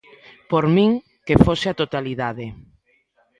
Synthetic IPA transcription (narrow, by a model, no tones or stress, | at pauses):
poɾmĩŋ | kefoseat̪ot̪aliðaðe